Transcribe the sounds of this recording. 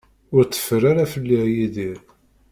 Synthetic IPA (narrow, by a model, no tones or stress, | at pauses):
ʊɾt͡sːə̥fəɾaɾafəlːiʕjiðiɾ